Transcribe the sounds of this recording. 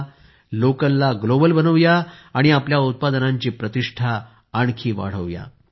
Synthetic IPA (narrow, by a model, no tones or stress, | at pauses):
lokəlːaɡlobəlbənəʋjaːɽ̃iapljaut̪̚pad̪naɲt͡ɕiːpɾət̪iʂʈʰaː | ɳ̃kʰiːʋa̰ɽ̤əʋja̰